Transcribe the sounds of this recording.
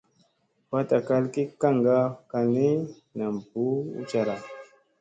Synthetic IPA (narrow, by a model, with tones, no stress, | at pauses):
wa˦ta˨ka˦lki˦ka˦˨ŋɡa˦ka˨ni˦ | na˨m˨bu˨˦ṵ˦t͡ʃa˦˨ɾa˨